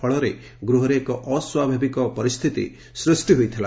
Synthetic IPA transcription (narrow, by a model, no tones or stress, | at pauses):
ɔɭɔɾe | ɡɾuɦɔɾeːkɔʔɔswabʱabikɔpɔɾist̪ʰit̪ḭ | sɾusʈiɦojt̪ʰila